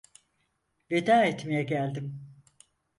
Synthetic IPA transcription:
ved̪aːɛt̪mejɛɟælʲd̪im

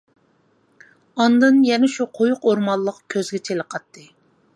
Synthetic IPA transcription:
ɑnd̪ɨnjɛnɛʃuqʰojuqoɾmɑlˠːəqkʲʰøzɡʲɛt͡ʃʰeləqʰɑt̪ːɨ

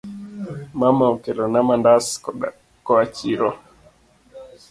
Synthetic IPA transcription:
mamaɔkɛlɔnamandas | kɔat͡ʃiɾɔ

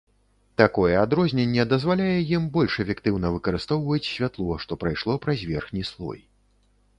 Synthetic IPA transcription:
t̪akɔjɛad̪ɾɔzʲnʲɛnʲːɛd̪ɐzvalʲajɛjimbɔlʲʂɛfʲɛkt̪ɨwnɐvɨkɐɾɨst̪ɔwvɐt͡sʲsʲvʲat̪lˠɔʂt̪ɔpɾajʂlˠɔpɾɐzʲvʲɛrxnʲislˠɔ̰j

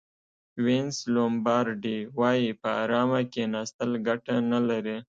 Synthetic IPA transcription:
wenslombɑɾɖiwɑjipəa̰ɾɑmakenɑst̪əlɡaʈanalaɾi

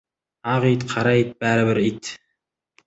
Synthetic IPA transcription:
ɑʁit̪qʰɑɾait̪̚bæːɾɪβɪɾit̪

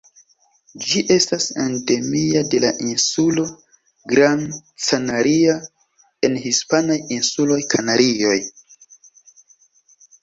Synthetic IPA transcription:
d͡ʒiʔe̞stasandemiade̞laʔinsulo̞ | ɡɾant͡sanaɾia | e̞nhispanajinsulo̞jkʰanaɾio̞j

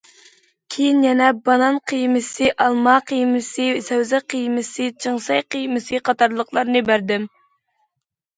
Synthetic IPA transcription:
kʲʰejinjɛnɛbɑnɑnqʰijmɪsɨʔɑlˠmɑqʰijmɪsɨsɛwzɛqʰəjmɪsɨt͡ʃʰɨŋsɑjqijmɨsɨqʰɑt̪ɑɾlˠəqlˠɑɾnɨbæɾd̪ɪm

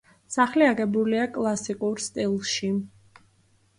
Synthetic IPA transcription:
saχliaɡɛbuliakʼlˠasikʼuɾst̪ʼilˠʃi

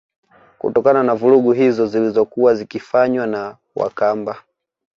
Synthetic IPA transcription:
kṵtɔkananavuɾuɡuɦizɔzilizɔkuwazikifaɲwana | wa̰kamba

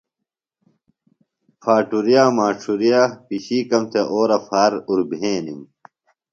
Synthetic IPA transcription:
fʰaːʈuɾijaːmaːʈ͡ʂʰuɾijaːpiɕiːkɐmt̪ʰeʔoːɾɐfaːɾuɾbʱẽːnim

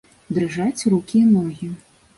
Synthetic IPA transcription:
d̪ɾɨʐat͡sʲrukʲinɔɣʲi

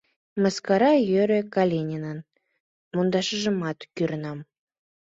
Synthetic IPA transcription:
məskɑɾɑjøɾøkɑlʲenʲinən | mund̪ɑʃəʒə̆mɑt̪kyɾənɑm

